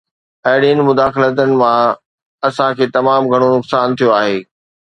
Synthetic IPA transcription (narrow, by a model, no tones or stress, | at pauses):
ɐɦɪɽiənɪ̆mʊd̪aːxɪlət̪̬ənɪ̆mã | ɐsãkʰeːt̪ɐmaːmɡʱɐɽ̃onʊksaːnt̪ʰijoaːɦeː